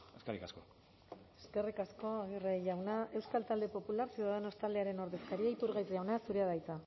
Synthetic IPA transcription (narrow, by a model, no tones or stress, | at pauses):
eskerikasko | e̞ske̞rikasko̞aɣireʝawnae̞wskalt̪ald̪epo̞pulaɾsiðano̞st̪ald̪e̞aɾe̞no̞ɾðe̞skaɾiait̪uɾɣajzʝawnasuɾe̞aðajt͡sa